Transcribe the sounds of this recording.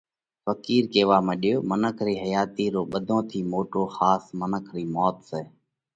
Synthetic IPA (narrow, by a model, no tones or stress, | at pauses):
fəkiːɾkeːʋaːmẽːɗɪjoːmənəkʰɾiːɦəjaːt̪iːɾoːɓəd̪ʱõːt̪ʰiːmoːʈoːxaːsmənəkʰɾiːmɔːt̪seː